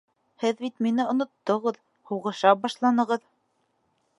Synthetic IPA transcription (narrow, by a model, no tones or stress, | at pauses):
hɘðbit̪minɘŏnŏt̪ːŏʁɤð | huʁɤ̆ʃɑbɑʃlˠɑnɤ̆ʁɤð